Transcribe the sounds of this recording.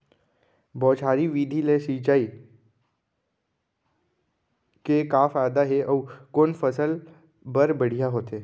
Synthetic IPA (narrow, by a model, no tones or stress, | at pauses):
bɔːt͡ʃʰaːɾiʋiːd̪ʱilesiːt͡ʃaːi | kekaːfaːjd̪aɦeʔɔːkoːnfəsəl | bəɾbəɽ̤ijaɦoːt̪eː